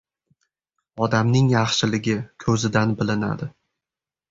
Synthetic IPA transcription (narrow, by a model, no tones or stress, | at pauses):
ɒd̪amnɪŋjɑχʃɪlɪɡʲɪkʲʰɵzɪd̪anbɪlɪna̰d̪ɪ